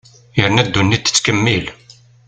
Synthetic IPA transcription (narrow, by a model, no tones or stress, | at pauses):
jəɾnæd̪ːunːit̪ːə̥t͡sːkəmːil